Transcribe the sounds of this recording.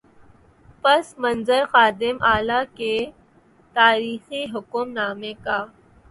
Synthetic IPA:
pɐsmɐ̃nzəɾxaːd̪ɪmʔaːlake | t̪aːɾiːxiɦʊkʊmnaːmẽkaː

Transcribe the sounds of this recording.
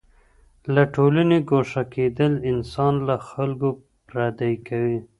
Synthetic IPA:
laʈolaneɡoʂaked̪əlɪnsɑnlaxalɡo | pɾad̪ajkawi

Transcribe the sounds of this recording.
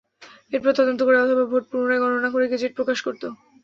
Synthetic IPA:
eɾpɔɾet̪ɔd̪ont̪okoɾeɔt̪ʰobabʱoʈ̚puɾonaeɡɔnonakoɾeɡed͡ʑeʈ̚pɾokaʃkoɾt̪o

